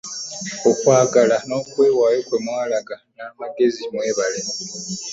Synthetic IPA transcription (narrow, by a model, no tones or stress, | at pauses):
okwaːɡalano̞ːkwe̞ːwaːjo̞kwe̞mwaːlaɡanamaɡe̞zimwe̞ːβale